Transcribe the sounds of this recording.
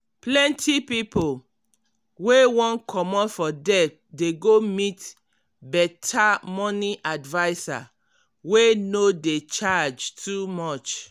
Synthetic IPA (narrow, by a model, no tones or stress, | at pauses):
plɛ̃ntʰipipo | wewɔ̃nkʰɔmɔtfɔdɛt̚ | deɡomit | bɛtʰamɔniʔadvaɪsa̰ | wenodet͡ʃad͡ʒtʰumɔt͡ʃ